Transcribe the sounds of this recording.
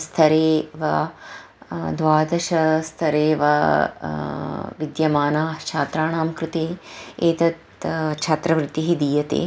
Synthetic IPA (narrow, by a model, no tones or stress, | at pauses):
st̪ʰɐɾeːʋɐ | d̪ʋaːd̪ɐʃɐst̪ʰɐɾeːʋɐ | ʋid̪jɐmaːnaːt͡ʃʰaːt̪ɾaːɳaːmkɾut̪eːeːt̪ɐt̪ | t͡ʃʰaːt̪ɾɐʋɾɪt̪iɦid̪iːjɐt̪ḛː